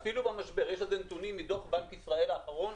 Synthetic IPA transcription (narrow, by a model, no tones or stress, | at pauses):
filubamaʃbe̞ʁjeʃhazent̪unimːit̪o̞χbankisʁae̞laːχaʁo̞n